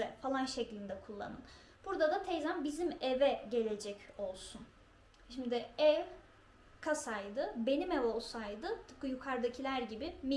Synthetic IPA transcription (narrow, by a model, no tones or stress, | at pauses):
ɛfalˠanʃeclʲind̪ɛkʰulˠːa̰nɯn | b̥uɾd̪ad̪at̪ʰɛjzanbizimevɛɟe̞lʲe̞d͡ʒɛco̞lˠsun | ʃimd̪ɪɛv | kʰasajd̪ɯbe̞nimɛvo̞lˠsajd̪ɯt̪ʰɯ̥kɯjukʰaɾd̪acʰilʲæɾɟibimi